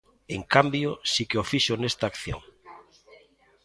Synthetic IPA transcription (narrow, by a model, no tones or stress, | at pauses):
eŋkambjosikeofiʃonest̪aːkθjo̰ŋ